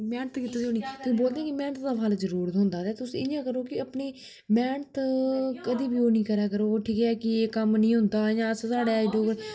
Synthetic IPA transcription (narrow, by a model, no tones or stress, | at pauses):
mɛːɳət̪kit̪aːsioːnĩːt̪ːboːld̪ẽːkɪmɛ̃ːɳət̪d̪aːpʰalzəɾuːɾt̪ɦʊ̃nd̪aːd̪ɛːt̪ʊsĩːɪjãːkəɾoːkɪəpɳeː | mɛːɳət̪kəd̪iːbiːoːnĩːkəɾaːkəɾoːʈʰiːkɦɛːkɪeːkəmnĩːɦʊnd̪aːjãːssaːɽeːaɪɖoːkəɾ